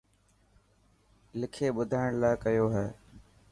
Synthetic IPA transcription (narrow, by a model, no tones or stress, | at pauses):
lɪkʰeːɓʊd̪ʱaːɪɽ̃laːɪkəjoːɦɛː